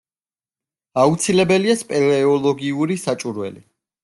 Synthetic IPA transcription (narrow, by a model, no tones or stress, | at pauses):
aut̪sʰilɛbɛliaspʼɛɾɛɔlˠɔɡiuɾisat͡ʃʼuɾwɛ̰li